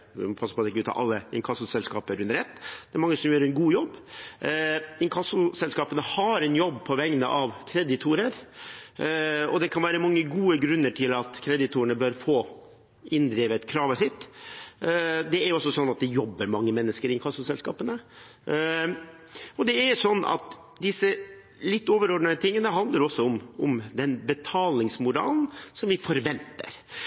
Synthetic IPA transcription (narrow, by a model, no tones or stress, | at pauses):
pʰɑsːəɾpʰɔɑd̪ɪkːʉːt̪ɑ̰ʔɑ̰lːəɪ̰ŋkʰɑsʊsɛlskɑ̰ːpəɾʉnɾɛt̪ːd̪̥ɛæɾmɑŋːəsɔmjøːɾɛnɡuːjɔbː | ɪŋkʰɑsʊsɛlskɑːpənəhɑɾɛnjɔbːpʰɔʋɛŋnəʔɑʋkʰɾɛd̪ɪt̪ʰuːɾəɾ | ɔd̪ɛkʰɑnʋæːɾəmɑŋːəɡuːəɡɾʉnːəʈʰɪlɑt̪kʰɾɛd̪ɪt̪ʰuːəɳəbœɾfoː | ɪnd̪ɾiːʋət̪kʰɾɑːʋəʂɪt̪ː | d̪ɛæɾjɔsːɔsɔnːɑt̪̚d̪ɛjɔbːəɾmɑŋːəmɛnːəskəɾɪkʰɑsʊsɛlskɑːpənə | ɔd̪ɛæʂɔnːʔɑ̰t̪ | d̪ɪsə | lɪt̪ːoːʋəɾɔɖɳ̩ət̪ʰɪŋːənəɦɑnd̪ləɾɔsːɔʊmʊmd̪ɛnbət̪ʰɑːlnɪŋsmʊɾɑ̰ːlnsɔmʋɪfɔɾʋɛnt̪ə̰ɾ